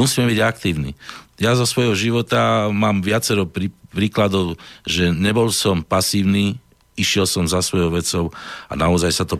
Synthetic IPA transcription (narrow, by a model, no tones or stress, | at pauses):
usiːmɛbiɟakt̪iːʊnḭjazɔsʋɔjɦɔʒiʋɔt̪amaːmʋɪat͡sɛɾɔpɾipɾiːklad̪ɔʊʒɛɲɛbɔlsɔmpasiːʊniː | iʃɪɛlsɔmzasʋɔjɔʊʋɛt͡sɔʊa̰naɔzajsat̪ɔ